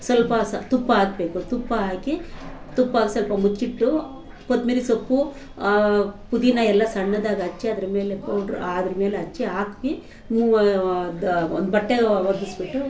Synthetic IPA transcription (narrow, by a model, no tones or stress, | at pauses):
sɐlpɐt̪upːɐaːɡbeːkut̪upːɐaːkit̪upːaːɡɐsɐlpɐmut͡ʃːiʈːu | kod̪melisopːu | pud̪inɐɛlːɐsɐɳːɐd̪aːɡɐɐt͡ʃːiɐd̪ɐɾɐme̞ːlepɐwɖɾaːd̪ɐɾɐme̞ːleɐt͡ʃːiaːkʋi | mud̪ond̪bɐʈːeʋɐɾd̪isbiʈːu